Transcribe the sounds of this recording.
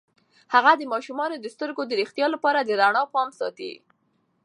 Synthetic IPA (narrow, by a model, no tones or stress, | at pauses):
haɣad̪əmɑʃumɑnod̪əst̪əɾɡod̪əɾixt̪jɑlapɑɾad̪əɾaɳɑpɑmsɑ̰t̪ḭ